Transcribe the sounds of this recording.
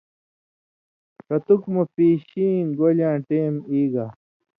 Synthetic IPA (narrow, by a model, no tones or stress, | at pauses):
kɐt̪ukmɐpiːɕiːnɡolãːʈeːmiːɡa